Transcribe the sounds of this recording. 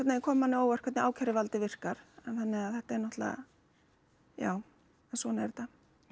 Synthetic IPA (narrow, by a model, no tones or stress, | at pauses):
kʰɛt̪nekʰɔːmanːɪoːwvar̥kʰɛt̪nɪaːwkʰaɾɪvalt̪ɪvɪr̥kaɾ̥ɛnθanːɪɣaθɛht̪aɛɾnɔht̪la̰ | ja̰ːw | ɛnsɔːnaɛɾt̪a